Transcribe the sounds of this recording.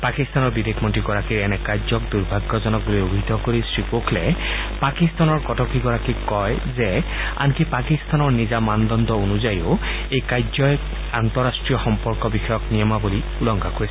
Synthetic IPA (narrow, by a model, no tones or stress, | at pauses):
pakist̪anɔɹbid̪ekʰmɔntɹiɡɔɹakiɹɛnɛkajzɔk̚d̪uɹbʱaɡːɔzɔnɔk̚buliobʱidʱɔkoɹisɹipokʰlɛ | pakist̪anɔɹkɔtɔkiɡɔɹakikɔjzɛa̰nkipakist̪anɔɹnizamand̪ɔnd̪ʱɔonuzajo | ejkajzɔj | ant̪ɔɹastɹijɔxɔmpɔɹkɔbixɔjɔknijɔmabuli | ulɔŋɡʱakojs